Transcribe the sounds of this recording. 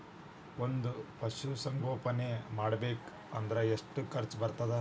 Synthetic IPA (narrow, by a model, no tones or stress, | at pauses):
ond̪upɐʃusɐŋɡoːpɐnemaːɽɐbeːk | ɐ̰nd̪ɐɾeeʂʈukɐɾt͡ʃbɐɾt̪ɐd̪e